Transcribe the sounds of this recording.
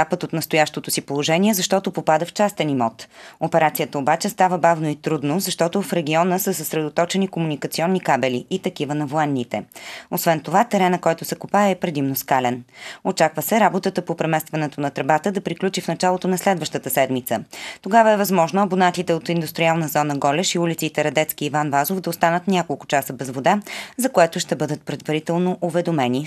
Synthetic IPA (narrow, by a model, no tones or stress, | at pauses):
apət̪ot̪nəst̪ojaʃt̪ot̪osipolˠoʒɛnʲiɛzɐʃt̪ɔt̪opopad̪əft͡ʃast̪ɛnimɔt̪opɛɾat̪sijət̪əobat͡ʃɛst̪avəbavnoit̪ɾud̪nozɐʃt̪ɔt̪ofɾɛɡ̟iɔnəsəsəsɾɛd̪ot̪ɔt͡ʃɛnikomunikət̪siɔnːikabɛliʔit̪ɐkivənɐvoɛnːit̪ɛosvɛnt̪ovat̪ɛɾɛnɐkɔjt̪ʊsɛkupaɛːpɾɛd̪imnoskalɛnot͡ʃakvəsɛɾabot̪ət̪əpopɾɛmɛst̪vɐnɛt̪onɐt̪ɾɛbat̪əd̪ɐpɾiklʲut͡ʃifnɐt͡ʃalˠot̪onɐslɛd̪vəʃt̪ət̪əsɛd̪mit̪sət̪oɡavəɛvɐzmɔʒnoɐbonat̪it̪ɛot̪ind̪ust̪ɾialˠnəzɔnəɡɔlɛʃiulit̪sit̪ɛɾɐd̪ɛt̪skiːvanvazofd̪ɐost̪anət̪nʲakolˠkʊ̥t͡ʃasəbɛzvod̪azɐkoɛt̪ʊʃt̪ɛbɤd̪ət̪̚pɾɛd̪vɐɾit̪ɛlˠnoʔovɛd̪omɛni